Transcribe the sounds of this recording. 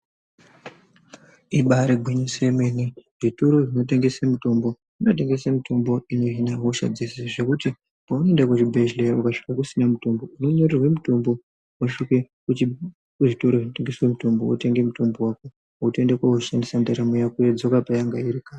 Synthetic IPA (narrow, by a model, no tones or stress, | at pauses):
iɓaɾeɡʱweɲosemeniʐitoɾo̞ʐino̞t̬e̞ŋɡe̞semuto̞mbo̞ | inote̞ŋɡe̞samitʰo̞mbo̞ino̞inawoʃa̰d͡ziseʐe̞kuti | paunoendakuʒibʱeʒleukaʂi̥kakusinamuto̞mbouno̞ɲorerwe̞muto̞mbo̞ | waʂike | u | uʐito̞ɾoʐino̞te̞ŋɡe̞swemuto̞mbowo̰te̞ŋɡemuto̞mbo̞wako̞ | ute̞ndekwaoʃandisandaɾamojakujed͡zo̞kapajaŋɡaiɾikaːn